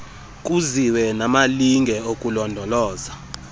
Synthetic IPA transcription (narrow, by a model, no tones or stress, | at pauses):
k̬ʼuziwɛnamaliŋʱɛokʼulɔndʱɔlɔːza